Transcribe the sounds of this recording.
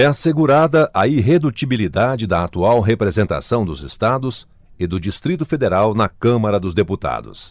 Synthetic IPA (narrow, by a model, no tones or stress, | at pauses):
ɛaseɡuɾad̪ɐʔɐiɦed̪ut͡ʃibilid̪ad͡ʒɪd̪ɐat̪uawɦepɾezẽnt̪a̰sɐ̃w̃d̪ʊzɪst̪ad̪ʊs | ɪd̪ʊd͡ʒist̪ɾit̪ʊfed̪eɾawnɐkɐ̃mɐɾɐd̪ʊzd̪eput̪a̰d̪ʊ̰s